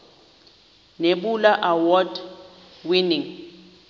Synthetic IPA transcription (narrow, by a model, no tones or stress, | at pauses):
neɓulaʔawɔd | winiŋ